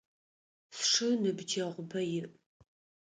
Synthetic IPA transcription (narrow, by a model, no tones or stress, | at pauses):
sʂɨnɨbd͡ʒʰɐʁʷʊbɐjɪr